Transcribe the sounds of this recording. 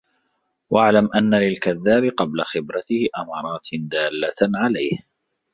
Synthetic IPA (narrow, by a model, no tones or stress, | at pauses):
wʔaʕlamʔanːalɪlkaðːaːbɪqɑblaxɪbɾat̪ɪhɪʔamɑːɾˤɑːt̪d̪aːlːaʕalajh